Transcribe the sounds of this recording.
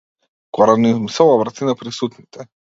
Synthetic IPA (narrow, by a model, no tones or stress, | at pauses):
kɔɾanizmsɛlˠabɾat̪inapɾisut̪nit̪ʰɛ